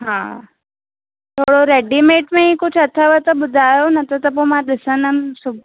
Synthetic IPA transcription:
ɦã̰ | t̪ʰoɽoɾeɖimeʈmẽĩkut͡sʰət̪ʰaʋət̪əbud̪ʱajonɐt̪ət̪əp̬omad̪isənəmsub̚

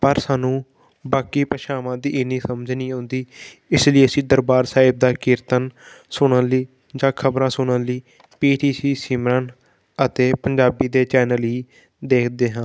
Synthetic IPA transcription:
pəɾsaːnũː | baːkiːpəʃaːmãːd̪iːɪnĩːsəmd͡ʒnĩːɦõːnd̪iːɪsliːəsĩːd̪əɾbaːɾsaːɪb̚d̪aːkɪɾt̪ənsʊɽ̃əliː | d͡ʒãːkʰəbɾãːsʊɽ̃ənləiː | piːʈiːsiːsiːmɾən | ət̪eːpəɲd͡ʒaːbiːd̪eːt͡ʃɛːnəlɦiː | d̪eːkʰd̪eːɦãː

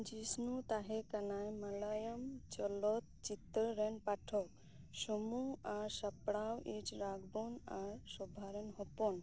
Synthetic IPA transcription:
d͡ʒisnut̪aɦɛkanajmalajəmt͡ʃɔlɔt̪̚t͡ʃit̪əɾɛnpaʈʰɔk | sɔmuaɾsapɽawid͡ʒɾaɡbɔnaɾsɔbʱaɾenɦɔpɔn

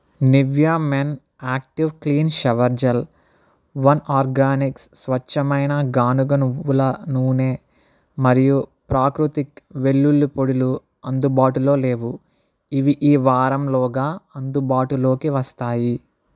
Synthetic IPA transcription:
niʋjaːmen | aːk̚ʈiʋkliːnʃɐʋɐɾd͡ʒɐl | ʋɐnaːɾɡaːnikssʋɐt͡ʃːɐmɐjnɐɡaːnuɡɐnuulɐnuːne̞ː | mɐɾijupɾaːkɾut̪ikʋe̞ɭːulːupoɽulu | ɐnd̪ubaːʈulo̞ːle̞ːʋu | iʋiʔiːʋaːɾɐmlɔːɡaːɐnd̪ubaːʈulo̞ːkiʋɐst̪aːji

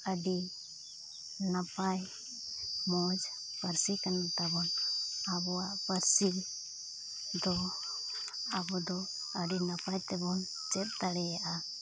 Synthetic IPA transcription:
əɖi | napaj | mɔd͡ʒ | pəɾsikanat̪abɔnabɔaʔpəɾsil | d̪ɔ | abɔd̪ɔ | əɖinapajt̪ɛbɔn | t͡ʃɛt̪̚t̪aɽɛjaʔa

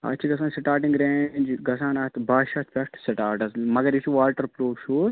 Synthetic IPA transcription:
ɐ̰t͡ʃʰiɡɐsaːnsɪʈaːɾʈĩŋɡɾẽːɲʲd͡ʒɡɐsaːnɐt̪baːʃɐt̪ʰfɐkʈsɪʈaːɾʈɐsmɐɡɐɾit͡ʃʰuʋaːʈɐɾploːʃuːs

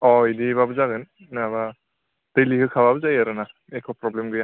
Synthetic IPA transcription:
ɔidibabɯzaɡɯn | naba | tɯjliɦɯkʰababɯzajaɾɯna | ekʰɔpɾɔblemɡɯja

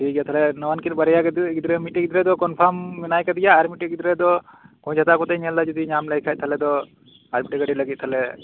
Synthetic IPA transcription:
ʈʰikjat̪ʰalɛnɔwankilbaɾɛjakɛd̪iɡid̪ɾɛmiʈɛɡid̪ɾɛd̪ɔkɔnpʰamːɛnajkad̪ijaaɾmiʈɛɡid̪ɾɛd̪ɔkɔ̃d͡ʒʰʱat̪akɔt̪ɛjɲɛld̪ad͡ʒɔd̪iɲamlɛjkʰaj̪t̪̚t̪ʰalɛd̪ɔ | aɾmiʈɛɡəɖiləɡit̪̚t̪ʰalɛ

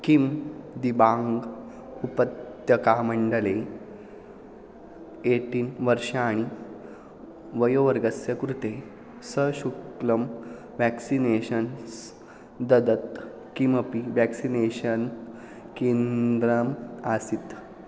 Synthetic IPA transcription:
kimd̪ibaŋɡ | upət̪jəkaməɳɖəle | eʈiːnʋəɾɕaaɽ̃i | ʋəjoʋəɾɡəsjəkɾut̪e | səɕukləm | ʋæksineɕəns | d̪əd̪ət̪ | kiməpiʋæksineɕən | kend̪ɾəmasit̪

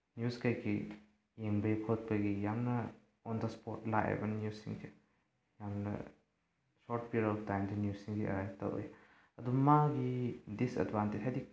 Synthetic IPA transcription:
njuskajkʰi | jeŋbɐjkʰot̚pɐɡijamnɐ | ɔndɐspoɾtlaʔɐ̰bɐnjusiŋkʰi | jamnɐ̰ | soɾt̚piɾɔptajmdinjussiŋɡiʔɐ̰ɾajtɐ̰wo̰j | ɐduɐmaɡidisɐ̰dbanted͡ʒɦadik̚

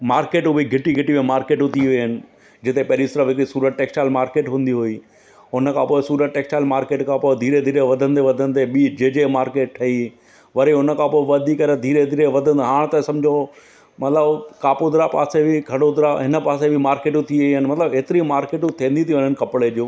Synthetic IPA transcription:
maːɾkeːʈubʱiɡʱɪʈiɡʱɪʈimẽmaːɾkeːʈũt̪ʰiʋiɦɪnɪ̆ | d͡ʑɪt̪epɐɦɪɾisɐɾəfɦɪkɾisuːɾəʈ̚ʈeːksʈaːlmaːɾkeːʈɦũːn̆d̪iɦʊi | ɦʊnəkʰãpoːɪsuːɾəʈʈːeːksʈaːlmaːɾkeːʈkʰãpoːɪd̪ʱiːɾed̪ʱiːɾeʋɐd̪ʱə̃nɪ̆d̪eʋɐd̪ʱənɪ̆d̪eɓiːd͡ʑed͡ʑemaːɾkeːʈ̚ʈʰɐi | ʋɐɾeɦʊnə̆kʰãpoːɪʋɐd̪ʱikɐɾed̪ʱiːɾed̪ʱiːɾeʋɐd̪ʱə̃nɦaːɽ̃t̪ɐsɐmd͡ʑʱo | mɐt̪ləbkaːpod̪ɪɾapa̰ːsebʱɪɡʰʱɐɽod̪ɪɾaɦɪnəpaːsebʱɪmaːɾkeːʈũt̪ʰiʋiɦənɪmɐt̪ləbeːt̪ɪɾimaːɾkeːʈũt̪ʰĩːnd̪it̪ʰijʋɲənɪkɐpɪɽeʄoː

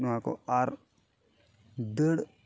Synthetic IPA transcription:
nũako̰aɾ | d̪əɽ

